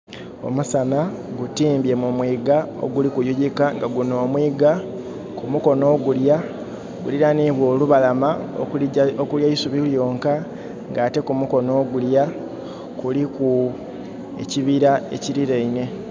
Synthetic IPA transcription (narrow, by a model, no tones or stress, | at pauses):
o̞̰musanaɡutiːmbje̞mumwiːɡao̰ɡulikujuɟikaŋɡaɡunoːmwiːɡa | kumuko̞no̞ːɡulja | ɡuliɾaniβwo̞ːluβalamaookuljaisuβiljo̞ːŋka | ŋɡaːte̞kumuko̞no̞ːɡulja | kuliku | ḛciβiɾae̞̰ciɾiɾeine̞